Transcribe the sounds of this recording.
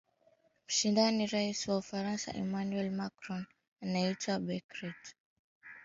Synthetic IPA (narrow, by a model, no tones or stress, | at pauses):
m̩ʃindaniɾaisiwaufaɾansa̰ʔɛmanuɛlmakɾɔn | anaitwabɛkɾɛt